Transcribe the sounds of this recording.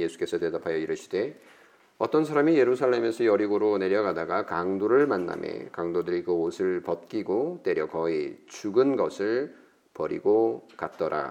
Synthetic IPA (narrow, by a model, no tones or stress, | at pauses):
je̞sʰu̥k͈e̞sʰʌte̞dapʰajʌiɾɯɕʰi̥d̥e̞ | ʌt͈ʌnsʰaɾamije̞ɾusʰaɭːe̞me̞sʰʌjʌɾiɡoɾone̞ɾjʌɡadaɡakaŋdoɾɯɭmanːa̰mʔjḛkaŋdodɯɾikɯosʰɯɭpʌt̚k͈iɡot͈e̞ɾjʌkʌit͡ɕuɡɯnɡʌsʰɯɭ | pʌɾḭɡokat̚t͈ʌɾʔa̰